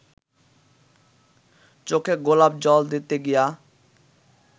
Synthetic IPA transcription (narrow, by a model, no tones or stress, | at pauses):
t͡ɕokʰeɡolab̚d͡ʑɔld̪it̪eɡija